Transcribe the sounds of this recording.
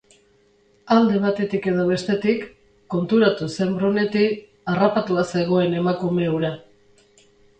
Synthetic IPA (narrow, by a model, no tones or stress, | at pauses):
ald̪e̞β̞at̪e̞t̪ike̞ð̞oβe̞st̪e̞t̪ikː | o̞nt̪uɾat̪use̞mbɾone̞t̪i | arapat̪uase̞ɣ̞o̞e̞ne̞makume̞uɾa